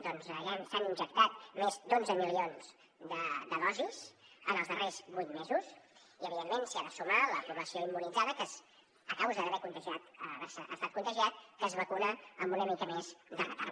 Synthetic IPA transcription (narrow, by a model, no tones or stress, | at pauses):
d̪ɔnzʒansaninʲʒək̚t̪at̪̚mezd̪onzəmilionz̥ | d̪əd̪əðɔzizənəlˠzðərezβujt̪mezus | iəβiðemːensiaðəsomələfuɾməsioimːunid͡zaðəkəs | əkawzðəðəβɛkunt̪əʒiat̪əβɛsəʔə̰st̪at̪̚kunt̪əʒiat̪̚kəzβəkunəəmbunəmit̪əmezd̪ələ̰t̪a̰ɾ